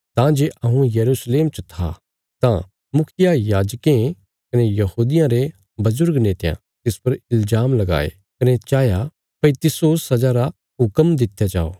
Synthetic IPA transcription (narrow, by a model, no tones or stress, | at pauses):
t̪ãd͡ʒeːʔɐɦũjɐɾusleːmt͡ʃət̪ʰa̰ | t̪ã | mʊkʰɪjajaːd͡ʒkẽ | kɐnejɐhuːd̪ɪjãɾe | bɐzʊɾɡneːt̪ejã̰ | t̪ɪspɐɾɪlzaːmlɐɡa̰ːḛ | kɐnet͡ʃaːja | pɐit̪ɪsoːsːɐd͡ʒaɾa | ɦʊkəmd̪ɪt̪ʰjad͡ʒa̰ːo̰ː